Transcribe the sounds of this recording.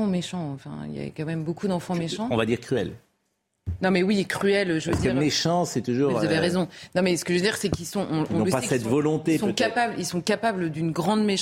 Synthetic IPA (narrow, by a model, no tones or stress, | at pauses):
ɑ̃meʃɑ̃ɑ̃fɛ̰̃ḭlja̰kɑ̃mɛmbokud̪ɑ̃fɑ̃meʃɑ̃ɔ̃vad̪iʁkχyɛ̰l | nɔ̃mɛwikχyɛlʒod̪ʁmeʃɑ̃sɛt̪uʒuːʁvvzaveʁezɔ̃nɔ̃mɛsə̥kəʒød̪iʁsɛkilsɔ̃ʔɔ̃ɔ̰̃nɔpasɛt̪vɔlɔ̃t̪esɔ̃kapablilsɔ̃kapabləd̪ynɡʁɑ̃d̪meʃ